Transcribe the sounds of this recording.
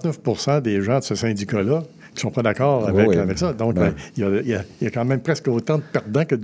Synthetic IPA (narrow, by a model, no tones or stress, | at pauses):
t̪nœfpuʁsɑ̃d̪eʒɑ̃d̪əsəsɛ̃d̪ikalʌ | kʲi̥sɔ̃pʌd̪akɔːʁavɛavɛksʌd̪ɔ̃kɛjajaijakɑ̃ːmɛ̃mpʁɛskoːt̪ɑ̃d̪əpɛʁd̪ɑ̃kə